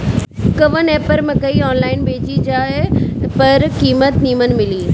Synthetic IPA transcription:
kɐʋəneːpəɾmɪ̃kɐiɔːnlaːɪnbʱeːd͡ʑid͡ʑaːɦepɐɾkiːmət̪niːmən̆mɪliː

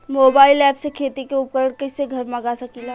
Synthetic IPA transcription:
moːbaːɪlɛːpʰsekʰeːt̪ikeʊp̚kəɾəɽkɐseɡʱɐɾmɐɡasɐkila

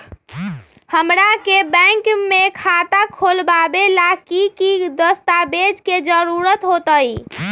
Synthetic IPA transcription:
həmɾakebə̃ŋkmekʰat̪akʰolbabelakikid̪əst̪abed͡ʒked͡ʒəɾuɾət̪ɦot̪əj

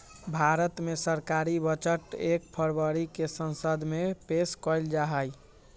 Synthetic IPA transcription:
bʱaɾət̪mesəɾkaɾibət͡ʃəʈek̚pʰəɾbəɾikesənsəd̪ʱmepeskɔjld͡ʒaɦəj

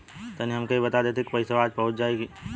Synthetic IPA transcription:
t̪ɐniɦɐmkɐibɐt̪ad̪et̪ʰekpɐɪsaaːd͡ʒpɐɦʊt͡ʃd͡ʒaːeɡi

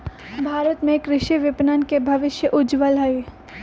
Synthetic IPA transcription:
bʱaːɾət̪mẽkɾɪʃiʋɪpnənkebʱɐʋɪʃjəʔʊd͡ʒʋəlɦɐe

